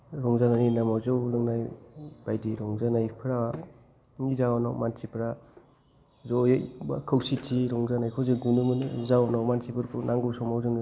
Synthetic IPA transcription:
ɾɔŋzananinamawzɯwlɯŋnajb̥ajdiɾɔŋzanajpʰɯɾawa | ŋizawana̰wmansipɾa | zɔjɔjakʰɯwsitʰiɾɔŋzanajkʰɔzɯɡunɯmɯnzawɔnawmansipɯɾkʰunaŋɡɯwsɔmawzɯŋ

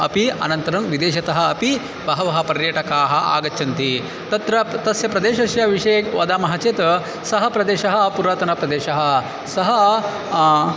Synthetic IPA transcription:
ɐ̰piɐ̰nɐnt̪ɐɾɐmʋid̪eːʃɐt̪ɐɦɐ̆ɐpi | bɐɦɐʋɐɦɐ̆pɐɾjɐːʈɐkaːɦɐ̆ʔa̰ːɡɐtːt͡ʃʰɐnt̪i | t̪ɐt̪ɾɐt̪ɐsjɐpɾɐd̪eːʃɐʃjɐʋiʂekʋɐd̪aːmɐɦɐt͡ʃeːt̪ɐ | sɐɦɐ̆pɾɐd̪eːʃɐɦɐ̆puɾaːt̪ɐnɐpɾɐd̪eːʃɐɦɐ̆ | sɐɦɐ

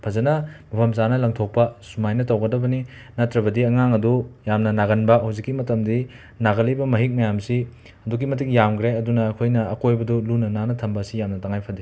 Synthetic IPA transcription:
pʰɐzɐnɐmɐpʰɐmzanɐlɐŋtʰok̚pɐsumajnɐtɐwɡɐdɐbɐni | nɐtɾɐbɐdiɐŋaŋɐdujamnɐnaɣɐnbɐɦawzikːimɐtɐmdi | naɡɐlɐjbɐmɐɦik̚mɐjamsi | ɐduk̬imɐt̬ik̚jamɡɾeɐdunɐːkʰojnɐɐkojbɐdulunɐnanɐtʰɐmbɐsijamnɐtɐŋajpʰɐdi

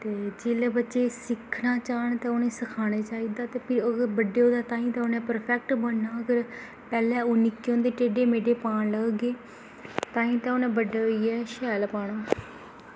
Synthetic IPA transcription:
t̪eːd͡ʒeːleːbətːʃeːsɪkʰːnaːt͡ʃaːɳt̪aːʊnẽːsəkʰaːneːt͡ʃaːiːd̪aːt̪eːpʰɪɾəɡəɾbəɖeːoːd̪aːt̪aːĩːt̪ãonẽːpəɾpʰɛk̚ʈbəɳːaːəɡəɾ | pɛːlɛ̃ːoːnɪkːeõːnd̪eːʈeːɖeːmeːɖeːpaːɳləɡɡeː | t̪aːĩːt̪aːoːnẽːbəɖeːoiɛːʃɛːlpaːɳaː

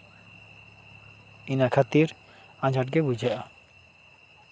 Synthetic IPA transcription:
inakʰat̪iɾ | ãd͡ʒaʈ̚ɡebud͡ʑaʔa

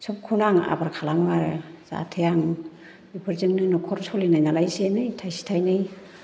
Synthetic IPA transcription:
sɔp̚kʰunaŋa̰baɾkʰalaŋaɾɯza̰tʰejaŋ | ipʰɯɾzɯŋnɯnɔkʰɔɾsʰɔlinajnalajsenɯjtʰajsi̥tʰajnɯj

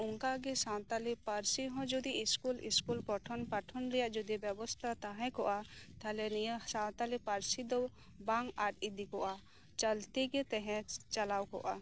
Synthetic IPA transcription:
ʊŋkaɡɛsãt̪alipaɾsiɦɔ̃d͡ʒud̪iiskulḭskulpɔʈʰɔnpaʈʰɔnɾɛjaʔd͡ʒud̪ibjɛbɔst̪ʰat̪aɦɛ̃kɔʔat̪ʰalɛnijəsãwt̪alipaɾsid̪ɔ | baŋaɾid̪ikɔʔa | t͡ʃəlt̪iɡɛt̪ɛɦɛ̃t͡ʃalawkɔ̰ʔa̰

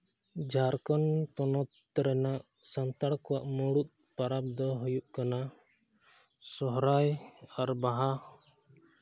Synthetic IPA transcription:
d͡ʒaɾkɔnt̪ɔnɔt̪ː | ɾɛnaʔ | sant̪aɽkɔwaʔmɔɽut̪̚ | paɾap̚d̪ɔɦɔjuʔkana | sɔɦɾajaɾbaɦa

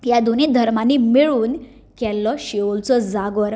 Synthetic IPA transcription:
jad̪unid̪ʱəɾmanimiɭuːn | kɛlːɔɕiolt͡sɔd͡zaɡʋəɾ

